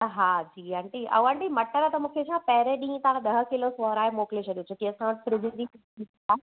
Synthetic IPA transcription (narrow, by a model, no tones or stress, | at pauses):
ɦaːd͡ʑiːãɳʈiɐ̰ãɳʈimɐʈəɾət̪ɐmũːkʰet͡ɕʰãːpɐɦɪɾẽɗĩːt̪ɐʋãɗ̪ɐɦə̆kɪlosoːɦɾaːemoːklet͡ɕʰɐɗijõt͡ɕʰok̪iɐsãʋəʈɪfɾɪd͡ʑiɗ̪ik | i | aː